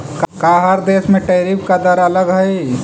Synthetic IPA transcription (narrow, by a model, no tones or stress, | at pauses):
kkaɦəɾd̪eːsmẽʈəːɾipkad̪əɾələɡɦəi